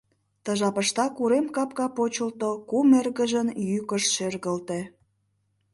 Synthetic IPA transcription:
t̪əʒɑpəʃt̪ɑkuɾemkɑpkɑpot͡ɕəlt̪okumerɣəʒənjykəʃʃerɣəlt̪e

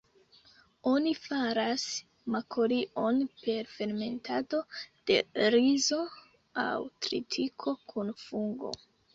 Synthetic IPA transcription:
o̞nifaɾas | makʰoɾiʔo̞npe̞ɾfe̞ɾme̞ntʰado̞d̥e̞̰ɾizo̞ | a̰wtɾḭtʰikʰo̞kʰunfuŋɡo̞̰

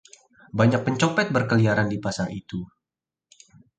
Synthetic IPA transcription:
baɲak̚pəɲt͡ʃopɛt̪̚bərkəliaɾandipasaŋit̪u

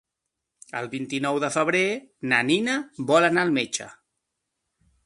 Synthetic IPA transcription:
ə̰lˠβint̪inɔwðəfəβ̞ɾenəninəβɔlənaːlˠmet͡ʃə̰

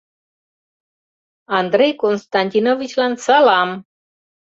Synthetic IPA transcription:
and̪ɾejkonst̪anʲt̪ʲinovit͡ʃlansalam

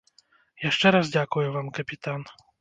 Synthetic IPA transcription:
jaʂt͡ʂɛɾazdʲakʊjʊvamkɐpʲit̪an

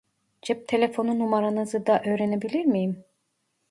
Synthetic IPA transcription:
d͡ʒɛp̚t̪ʰelʲefo̞nunumaɾanɯzɯd̪aʔø̞ːɾenebilʲiɾmijim

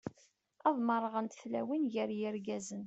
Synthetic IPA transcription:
ɑðˤməɾˤəʁənt̪flæ̰winʝəɾjəɾɡæzən

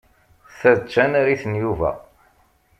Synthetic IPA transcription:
θæðt͡ʃːænaɾiθənjuvæ̰

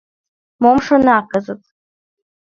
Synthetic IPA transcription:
momʂanaːkʼazɨtʼ

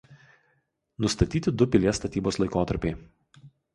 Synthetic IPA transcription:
nʊst̪ɐt̪ʲiːt̪ʲɪd̪ʊpʲɪlʲeɛst̪ɐt̪ʲiːboːslˠɐɪkoːt̪ɐɾʲpʲɛɪ

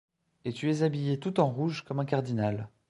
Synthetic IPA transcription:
et̪yɛzabijet̪ut̪ɑ̃ʁuʒkɔmɛ̃kaʁd̪inal

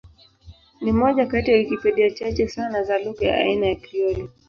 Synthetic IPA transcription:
nimɔʄakatijaikipɛɗiat͡ʃat͡ʃɛsanazaluɡaja̰a̰inajakɾiɔli

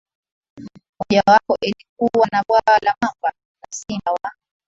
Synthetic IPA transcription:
mɔʄawakɔʔilik̚uwanaɓwawlamamba | nasinawaɔ

